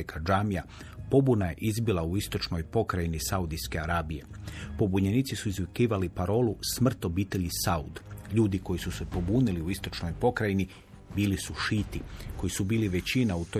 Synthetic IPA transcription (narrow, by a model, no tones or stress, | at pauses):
kʰad͡ʒaːmija | po̞bunaje̞ʔizbilˠauist̪o̞t͡ʃno̞jpo̞kɾajinisaud̪iske̞aɾaːbije̞po̞buɲe̞niːt̪sisuizʋikiːʋalipaɾo̞ːlusmr̩t̪o̞biːt̪e̞ʎisaṵd̪ʎuːd̪iko̞jisuse̞po̞buːniliuist̪o̞t͡ʃno̞jpo̞kɾajini | biːlisuʃiːt̪iko̞jisubiːliʋe̞t͡ɕinaut̪o